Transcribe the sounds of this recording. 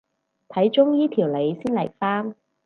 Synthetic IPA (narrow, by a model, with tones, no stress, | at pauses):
t̪ʰɐ˨˥jt͡ʃʊ˥ŋjiː˥t̪ʰiː˨˩wle˨˧jsiː˥nle˨˩kfaː˥m